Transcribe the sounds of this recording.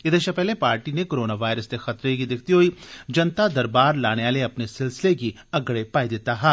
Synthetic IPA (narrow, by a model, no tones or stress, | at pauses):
ɪd̪eʃapɛɦlepaːɾʈinekoːɾoːnaʋaːɪɾəst̪exɐt̪ɾekid̪ɪk̚ʰt̪iɦoːid͡ʒɐnt̪ad̪ɐɾbaːɾlaːɽ̃eaːleɐpnesɪlsɪleki | ɐɡɽepaːid̪ɪt̪aɦɛː